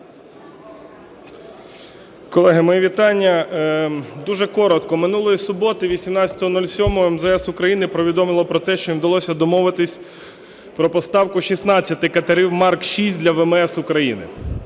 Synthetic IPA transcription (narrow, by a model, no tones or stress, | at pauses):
kɔlˠɛɦɪmɔjiʋʲit̪ɑnʲːɐ | d̪uʒɛkɔɾɔt̪kɔmɪnulˠɔjisʊbɔt̪ɪʋʲisʲimnɑt͡sʲɐt̪ɔɦɔnulʲsʲɔmɔɛmzɛɛsʊkɾɐjinɪpɾɔʋʲid̪ɔmɪlˠɔpɾɔt̪ɛʃt͡ʃɔjinwd̪ɐlˠɔsʲɐd̪ɔmɔʋɪt̪ɪsʲ | pɾɔpɔst̪ɑwkʊʃisnɑt͡sʲːɐt̪ɪkɐt̪ɐɾʲiwmɑrkʃisʲt̚ʲd̪ʲlʲɐʋɛmɛsʊkɾɐjinɪ̰